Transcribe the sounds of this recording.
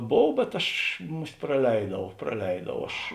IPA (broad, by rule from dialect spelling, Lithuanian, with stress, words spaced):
ˈboːw bʲɛt ˈɐʃ ˈmʊsʲtʲ prɐˈlʲɛɪdɐʊ prɐˈlʲɛɪdɐʊ ˈɐʃ